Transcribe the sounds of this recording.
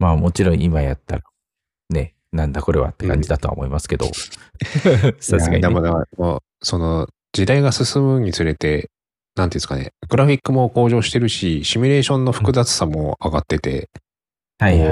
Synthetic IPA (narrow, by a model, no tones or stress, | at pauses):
maːmot͡ɕiɾõ̞ɰ̃imajat̪ːaɾa | ne̞ | nãnd̪ako̞ɾe̞βa̰t̪ːekã̰ɲd͡ʑid̪at̪oa̰o̰mo̞imasɨ̥ke̞d̪o̞̰ | sasɨɡa̰ɲd̪emod̪eamo | so̞no̞ | d͡ʑid̪aiɡasɨsɨmɯ̟ɲ̟it͡sɨɾe̞t̪e̞ | nãnt̪eiɯsɨ̥kane̞̰ɡ̥ɯ̟ɾaɸʲikːɯ̟mo̞ko̞ːʑo̞ːɕi̥t̪e̞ɾɯ̟ɕiɕimʲiɾe̞ːɕõ̞nːo̞ɸɯkɯ̟zat͡sɨ̥samo̞aɡat̪ːe̞t̪e̞̰ | haja